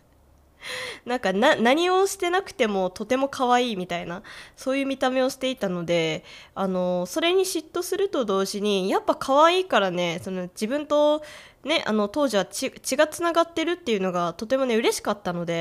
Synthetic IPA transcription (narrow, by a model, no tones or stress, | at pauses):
nãŋkananaɲ̟io̞ɕi̥t̪e̞nakɯ̟̥t̪e̞mo̞t̪o̞t̪e̞mo̞kʰaβ̞aiːmʲit̪ainaso̞ːjɯ̟ːmʲit̪ame̞o̞ɕi̥t̪e̞it̪ano̞d̪e̞ano̞so̞ɾe̞ɲ̟iɕit̪ːo̞sɨɾɯ̟t̪o̞d̪o̞ːʑiɲ̟ijapːakʰaβaiːkaɾane̞so̞no̞d͡ʑibɯ̟̃nt̪o̞ | ne̞ʔa̰no̞t̪o̞ːʑiβat͡ɕit͡ɕiɡat͡sɨnaɡat̪ːe̞ɾɯ̟t̪ːe̞jɯ̟no̞ɡat̪o̞t̪e̞mo̞ne̞ɯ̟ɾe̞ɕi̥kat̪ːano̞d̪e̞